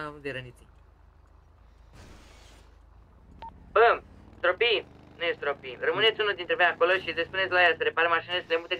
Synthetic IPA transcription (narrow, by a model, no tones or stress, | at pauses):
avud̪eɾənit̪si | bət̪ɾopinujest̪ɾopirəmɨnet̪sʲunuld̪int̪ɾevojako̞loʃilespunet̪sʲlajasəɾepaɾemaʃinelesəlemut̪e